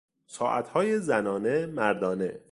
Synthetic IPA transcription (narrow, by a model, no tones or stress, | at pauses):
sɒːʔæ̰t̪ʰhɒːjezænɒːnemæɾd̪ɒːne̞̰